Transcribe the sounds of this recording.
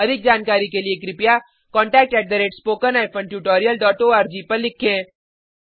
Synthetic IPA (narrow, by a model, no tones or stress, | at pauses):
ɐd̪ʱɪk̚d͡ʒaːnkaːɾikeliekɾɪpja | kɔ̃ːɳʈɛːk̚ʈɛːʈ̚d̪ɐɾeːʈspoːkənaːɪpʰõːnʈjuːʈɔːɾijəlɖɔːʈoːaːɾd͡ʒiːpɐɾlɪkʰẽː